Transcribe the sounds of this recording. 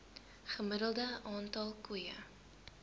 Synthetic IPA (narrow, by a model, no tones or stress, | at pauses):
χəməɾəlˠdəʔɑːntɐlˠkujə̰